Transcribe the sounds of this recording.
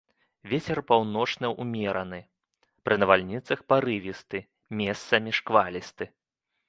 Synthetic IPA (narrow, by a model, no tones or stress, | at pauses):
vʲet͡sʲɛrpawn̪ɔt͡ʂnɐʔṵmʲɛɾɐnɨ | pɾɨnɐvalʲnʲit̪sɐxpaɾɨvʲist̪ɨ | mʲɛst̪sɐmʲiʂkvalʲist̪ɨ